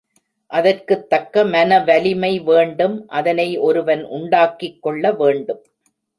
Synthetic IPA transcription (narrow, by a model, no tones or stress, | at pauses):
ʔɐðɐrkɯt̪ːɐkːɐmɐnɐʋɐlɪmɐɪʋeːɳɖɯmʔɐðɐnɐɪʔɔɾɯʋɐnʔʊ̰ɳɖaːkːɪkːɔɭːɐʋeːɳɖɯm